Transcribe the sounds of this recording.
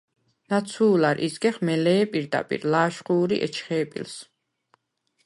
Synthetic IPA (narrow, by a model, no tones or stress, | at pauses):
nat̪sʰuːlaɾʔḭzɡɛχmɛlɛːpʼiɾd̪a̰pʼḭɾlaːʃχuːɾiʔɛ̰t͡ʃʰχɛːpʼḭls